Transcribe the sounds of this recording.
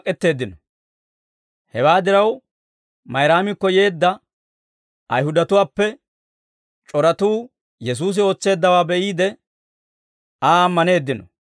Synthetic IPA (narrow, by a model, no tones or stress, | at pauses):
kʼɛt̪ːe̞ːd̪ːɪnɔ | hɛwaːd̪ɪɾɐw | mɐjɾaːmɪkːɔje̞ːd̪ːɐ | ʔɐjhʊd̪ɐt̪ʊwaːpːɛ | t͡ʃʼɔɾɐt̪uː | jɛs̬uːs̬ɪo̞ːt͡sːe̞ːd̪ːɐwaːbɛʔiːd̪ɛ | aːɐmːɐne̞ːd̪ːɪnɔ